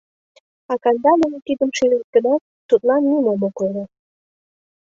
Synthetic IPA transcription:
ɑkɑnd̪ɑmənt̪id̪əmʃiɾert̪̚kə̆nɑ | t̪ːut̪̚lɑnːimomokoɾe

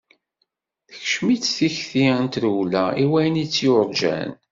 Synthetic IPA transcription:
θəçʃmit͡sːθiçθiənt̪ɾuwlæiwæjənit͡sːjʊɾˤd͡ʒæ̰n

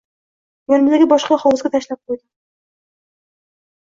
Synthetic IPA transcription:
jɒnmld̪aɡʲɪbɒʃqɑχɒwzɡʲat̪ʰaʃlap̚qʰojd̪ɪ

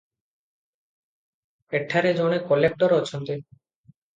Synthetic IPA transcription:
eʈʰːaɾed͡ʑoɽ̃ekɔlek̚ʈɔɾɔt͡ɕʰont̪e

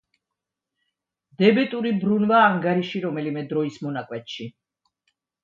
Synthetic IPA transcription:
d̪̥ɛbɛt̪ʼuɾibɾunvaːŋɡaɾiʃiɾɔmɛlimɛd̪ɾɔismɔnakʼwɛt̪ʃi

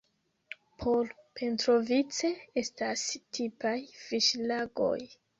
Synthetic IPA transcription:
pʰoɾpʰe̞ntɾo̞vit͡se̞e̞stastʰipajfiʃlaɡo̰j

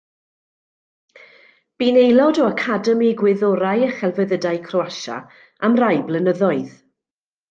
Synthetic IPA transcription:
b̥iːnejlˠɔdɔakʰadɛmiɡwɪðɔɾajəχɛlˠvəðədajkʰrɔwaʃa̰ | amrajblˠənəðɔɨð

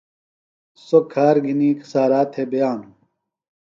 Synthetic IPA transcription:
sokʰaːɾɡʱiniːkʰsaːɾaːt̪ʰebɐjaːnu

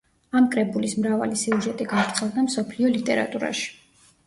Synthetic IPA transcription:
amkʼɾɛbulismɾava̰lisiuʒɛt̪ʼiɡaɾt̪sʰɛlˠd̪amsɔpʰliɔlit̪ʼɛɾa̰t̪ʼuɾa̰ʃi̥

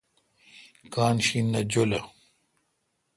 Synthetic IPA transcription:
kaːnɕinːɐd͡ʑolɐ

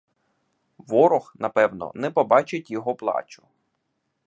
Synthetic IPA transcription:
ʋɔɾɔxnɐpɛwnɔ̰nɛpɔbɑt͡ʃɪtʲjɔɦɔplˠɑ̰t͡ʃʊ̥

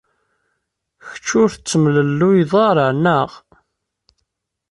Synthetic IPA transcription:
çət͡ʃːʊɾθt͡sːəmləlːujðˤɑɾˤənəʁ

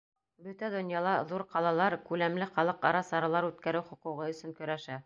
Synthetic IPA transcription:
bɵt̪æd̪ŏnjɑlˠɑðuɾqɑlˠɑlˠɑɾkʉlæmlɘχɑlˠɤqɑɾɑsɑɾɑlˠɑɾʉt̪kæɾɘwχŏquʁɤɵ̆sɵ̆ŋkɵ̆ɾæʃæ

